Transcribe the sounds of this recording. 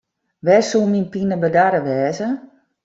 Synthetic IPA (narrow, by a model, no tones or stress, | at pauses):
ʋɛsulˠminpinəbədaɾəʋɛːzə